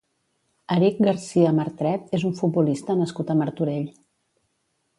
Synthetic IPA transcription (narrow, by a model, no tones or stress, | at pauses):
əɾik̚ɡəɾsiəməɾt̪ɾɛt̪ezuɱfud̪̚bulist̪ənəskut̪əməɾt̪uɾeʎ